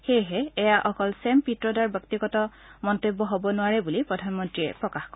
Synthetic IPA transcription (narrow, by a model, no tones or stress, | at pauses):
xejɦɛɛjaʔɔkɔlsɛmpitɹɔdaɹbjɔk̚tiɡɔtɔ | mɔntebːɔɦobɔnʊaɹɛbulipɹɔdʱanmɔntɹiɛ̰pɹɔkaxkɔ